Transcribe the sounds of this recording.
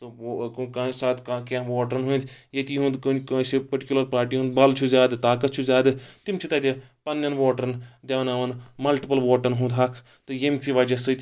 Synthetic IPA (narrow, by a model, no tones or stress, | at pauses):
t̪ɨkkasaːt̪kakãʋoːʈɐɾnɦuint̪jet̪iɦũnd̪kksipɐʈikʲulɐɾpaːɾʈiːɦũnd̪̚bɐlt͡ʃʰuzʲjaːd̪t̪aːkɐt̪̚t͡ʃʰuzjaːd̪t̪imt͡ʃʰit̪ɐt̪ʲe | pɐnːjɐnʋoːʈɐɾnd̪ʲjaːʋɐnaʋɐnmɐlʈipɐlʋoːʈɐnɦũnd̪ɦɐkʰ | t̪ɨjemkʰiʋad͡ʒɐsɨt̪ʲ